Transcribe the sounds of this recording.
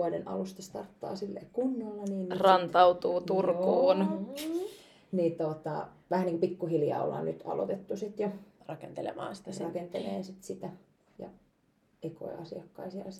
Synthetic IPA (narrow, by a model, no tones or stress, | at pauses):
ɑdenɑ̰lust̪ɑst̪ɑrt̪ːɑ̰ːsilːḛːkunːolːɑniːnːrɑnt̪ɑut̪uːt̪urkuːn | niːt̪ot̪ɑ̰ | ʋæhæniːkopikːuhiljɑ̰ːo̰lːɑ̰ːnnyt̪ɑ̰lo̰t̪et̪ːusit̪jorɑkent̪elḛmɑ̰ːnsi̥t̪æsrrɑkent̪elḛːnsit̪sit̪æ | jɑ̰ | eko̰ḭʔɑ̰siɑkːɑisiɑɑs